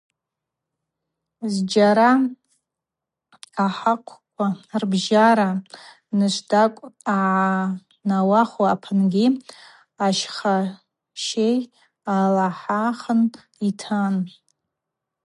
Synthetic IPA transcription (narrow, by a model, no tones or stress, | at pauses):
zd͡ʒaɾa | aħaqʷʰkʷʰʼarbʒaɾa | nɨʃʷdakʷʼaʕa | nawaχaːpʰɨnɡʲi | aʃχa | ʃej | alaħaχən | itʰan